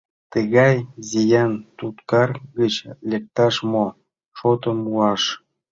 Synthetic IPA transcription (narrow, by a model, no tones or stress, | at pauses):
t̪əɣɑjzijɑnt̪ut̪kɑrɡət͡ɕlʲek̚t̪ɑʃmo | ʃot̪əmuɑʃ